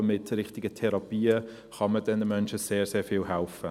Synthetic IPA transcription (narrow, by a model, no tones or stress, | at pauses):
mɪtɾɪχtɪɡətʰɛɾɑpiːə | χɑmədɛndəmœnʃəseːɾseːɹfɪlɦælfə